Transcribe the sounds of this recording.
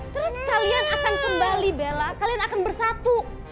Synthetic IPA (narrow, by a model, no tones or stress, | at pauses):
t̪əɾʊskalianakankəmbalibelakalianakanbərsat̪u